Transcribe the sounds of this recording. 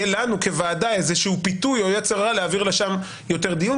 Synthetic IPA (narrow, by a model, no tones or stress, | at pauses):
elanuke̞vaːdaezeʃeupit̪ujojet͡seʁːaleaviʁleʃam | jo̞t̪e̞ʁd̪ijun